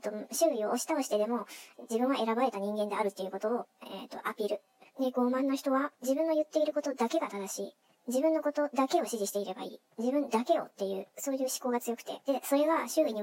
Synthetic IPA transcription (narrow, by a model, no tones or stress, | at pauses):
t̪oɕɨːio̞ʔoɕi̥t̪ao̞ɕi̥t̪e̞d̪e̞mo̞d͡ʑibɯ̃ɰ̃βaʔe̞ɾabaɾe̞t̪aɲ̟ĩŋɡẽ̞nd̪e̞aɾɯ̟t̪ːe̞jiɯ̟ko̞t̪o̞ːḛt̪ːo̞ʔapʲiːɾɯ̟ | d̪e̞ɡo̞ːmãnːo̞çi̥t̪o̞βad͡ʑibɯ̟̃nːo̞jɯ̟t̪ːe̞iɾɯ̟ko̞t̪o̞d̪ake̞ɡat̪ad̪aɕiː | d͡ʑibɯ̟̃nːo̞ko̞t̪o̞d̪ake̞o̞ɕiʑiɕi̥t̪e̞iɾe̞ba̰ḭː | d͡ʑibɯ̟̃nd̪ake̞o̞̰t̪ːe̞jɯ̟̰ːso̞ːjɯ̟ːɕi̥ko̞ːɡat͡sɨjo̞kɯ̟̥t̪e̞̰d̪̥e̞so̞ɾe̞βaɕɨːiɲ̟i